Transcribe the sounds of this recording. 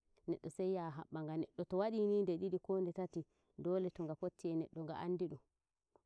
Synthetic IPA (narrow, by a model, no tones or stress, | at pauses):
nɛɗːɔsajːaɦa̰ɓːaŋɡanɛɗːɔtɔwaɗiniːndɛɗiɗikoːndɛtati | dɔːlɛtɔŋɡapotːiɛnɛɗːɔŋɡa̰ʔanːdiɗum